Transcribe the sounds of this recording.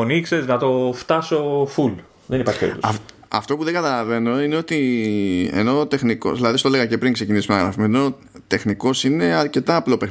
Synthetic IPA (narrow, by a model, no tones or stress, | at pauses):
onikse̞znɐt̪o̞ft̪ɐso̞ful | ðenipɐɾçi̥pḛit̪uɐ | ɐ̰ft̪o̞puðe̞ŋɡɐt̪ɐlɐve̞no̞ine̞o̞t̪i | ḛno̞t̪e̞xniko̰ðilɐðist̪oleɣɐcepɾiŋkse̞cinisumenɐɣɾɐ̰fimeno̞ | t̪e̞xniko̞sine̞ɐɾce̞t̪ɐːplo̞pex